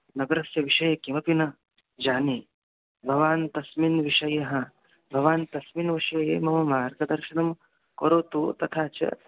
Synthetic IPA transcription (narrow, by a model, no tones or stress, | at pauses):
nɐɡɐɾɐsjɐʋiʂɐjɐkimɐpinɐ | d͡ʒaːni | bʱɐʋaːnt̪ɐsminʋiʂɐjɐɦɐ | bʱɐʋaːnt̪ɐsminʋɐʃɐjḛmɐɦɐmaːɾɡɐd̪ɐɾʃɐnɐm | koɾoːt̪ut̪ɐt̪ʰaːt͡ʃɐ̰